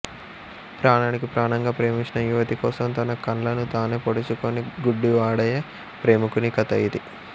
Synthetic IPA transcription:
pɾaːɳaːnikipɾaːɳɐŋɡaːpɾe̞ːmint͡ʃinɐjuʋɐt̪ikɔːsɐmt̪ɐnɐkɐɳlɐnut̪aːneːpoɽut͡ʃukoniɡuɖːiʋaːɽɐjɐ | pɾe̞ːmukunikɐt̪ɐjid̪i

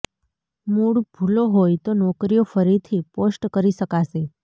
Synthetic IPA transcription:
muɽbʱuloɦojt̪onɔkɾijofəɾit̪ʰiposʈkəɾiʃəkaʃe

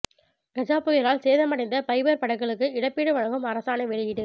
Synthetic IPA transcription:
ɡɐd͡ʒaːpɯɣɪɾaːlseːðɐmɐɽɐɪnd̪ɐpɐɪbɐɾpɐɽɐkːɐɭɯkːɯɪɽɐpːiːɽɯʋɐɻɐɣɯmɐɾɐsaːnɐʋɛɻɪjɪɽɯ

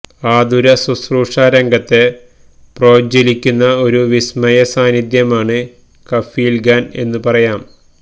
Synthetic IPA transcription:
aːd̪uɾɐsusruːʂaːɾɐŋɡɐt̪ːe̞ | pro̞ːd͡ʑelikʲːunːɐo̞ɾuʋismɐjɐsaːnid̪jɐmaːɳɨ | kɐfiːlɡaːne̞̰nːɨpɐrɐjaːm

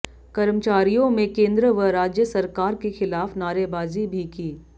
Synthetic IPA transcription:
kɐɾmt͡ʃaːɾijõmẽkẽːnd̪ɾəʋəɾaːd͡ʒjəsɐɾkaːɾkexɪlaːfnaːɾebaːzibʱikiː

